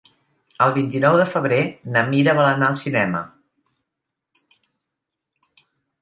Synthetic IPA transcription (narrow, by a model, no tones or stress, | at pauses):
əlˠβint̪inɔwðəfəβ̞ɾenəmiɾəβələnaəlˠsinɛmə̰